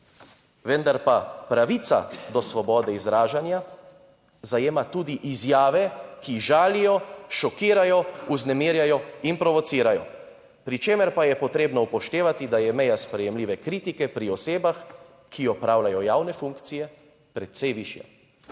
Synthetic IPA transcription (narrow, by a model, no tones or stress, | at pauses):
ʋɛnd̪aɾpapɾaʋit̪sa̰d̪ɔsʋɔbɔːd̪ɛizɾaːʒanja | zajeːmat̪uːd̪iʔizjaːʋɛkiʒaːlijɔʃɔkiːɾajɔuznɛmiːɾjajɔinpɾɔʋɔt̪siːɾajɔ̰ | pɾit͡ʃeːmɛɾpajɛpɔt̪ɾeːbnɔupɔʃt̪eːʋat̪id̪ajɛmɛjaspɾɛjɛmliːʋɛkɾiːt̪ikɛpɾiɔseːbax | kʰiɔpɾaːwlajɔjaːwnɛfuŋkt̪sijɛ | pɾɛt̪sɛjʋiːʃja̰